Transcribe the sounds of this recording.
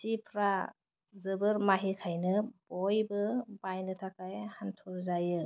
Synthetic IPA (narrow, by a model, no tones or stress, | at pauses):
sipʰɾa | zɯbɯɾmaɦikʰajnɯbɔjbɯbajnɯtʰakajhantʰɔɾzajɯ